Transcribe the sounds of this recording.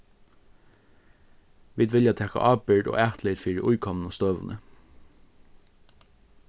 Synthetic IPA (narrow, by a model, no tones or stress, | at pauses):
ʋiːd̪ʋɪljɑt̪ʰɛːkɑ̰ʔɑːbʏɖo̰ːʔæːt̪lɪt̪fiːɹəʔʊjkʰɔmnoːst̪øːʋə̰nʔə̰